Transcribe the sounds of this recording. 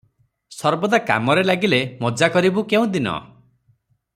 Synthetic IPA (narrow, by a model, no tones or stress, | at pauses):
sɔɾbɔd̪aka̰mɔɾelaɡilemɔd͡ʒakɔɾibukeũd̪inɔ̰